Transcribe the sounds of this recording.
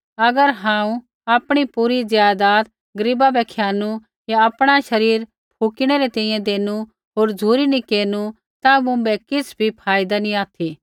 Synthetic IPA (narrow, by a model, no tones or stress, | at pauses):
ɐɡəɾɦãːũ | aːpɽ̃ipuːɾizjaːd̪aːt̪ | ɡɐɾibabɛkʰjaːnu | jaɐpɽ̃aʃɐɾiːɾ | pʰuːkɪɽ̃eɾet̪ɛ̃ĩjɛ̃d̪eːnu | ɦoːɾd͡zʱuːɾinikeːnu | t̪amʊ̃bɛkɪsbʱipʰaːɪd̪anĩaːt̪ʰi